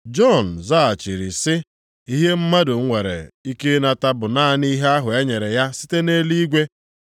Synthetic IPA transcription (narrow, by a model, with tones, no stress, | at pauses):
d͡ʒɔ˦˨n̩˨za˦a˨t͡ʃi˨ɾi˨sɪ˦ | i˦ɦe˦m̩˦ma˦dʊ˨ŋ̩˦ŋʷe˨ɾḛ˨i˦ke˦na˨ta˦bʊ˨na˦˨ni˦ɦe˦a˦ɦʊ˨ja˦ɲe˨ɾe˨ja˦si̥˦te˦ne˦li˦i˦ɡʷe˦